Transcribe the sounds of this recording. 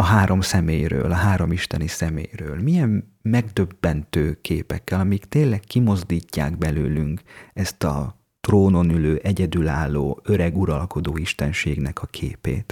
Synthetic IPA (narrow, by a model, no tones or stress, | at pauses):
ɒɦaːɾo̞msɛmeːjrø̰ːlɒɦaːɾo̞miʃt̪ɛnisɛmḛːjrøːlmijɛmː | ɛɡd̪øbːɛnt̪øːkʰeːpɛkːɛlɒmikt̪eːlːɛkkːimo̞zd̪iːcːa̰ːɡbɛløːlyŋkɛst̪ɒ̰ | t̪roːno̞nyløːʔɛɟɛd̪ylaːlːoːø̞ɾɛɡuɾɒlko̞d̪oːiʃt̪ɛnʃeːɡnɛkɒkʰḛːpḛːt̪